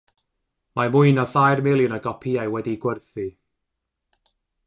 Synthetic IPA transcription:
mamʊɨnɔθajrmɪlˠjʊnaɡɔpʰiajwɛdiɡwərθi

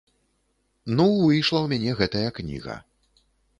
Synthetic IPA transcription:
nuɨjʂlˠɐwmʲanʲɛɣɛt̪ɐjɐknʲḭɣɐ̰

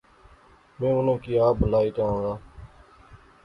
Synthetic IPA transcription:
mẽːʊnõːkiːaːbʱəlaːiːʈ̪ãːõːɡaː

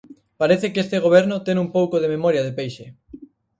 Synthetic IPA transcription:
paɾeθekest̪eɣ̞oβ̞ɛɾnot̪eŋumpowkoðememoɾjað̞epejʃe

